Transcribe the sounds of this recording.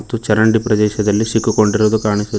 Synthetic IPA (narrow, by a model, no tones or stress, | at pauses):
t̪ːut͡ʃɐɾɐɳɖipɾɐd̪ɛːʃɐd̪ɐlːisikːuko̞ɳɖiɾud̪ukaːɳisu